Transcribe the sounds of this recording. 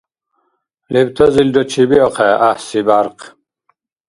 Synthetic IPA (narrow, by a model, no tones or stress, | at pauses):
lɛbt̪ʰazild̪ɔt͡ʃʰibiɔqʰɛʔahsibaɾqʰ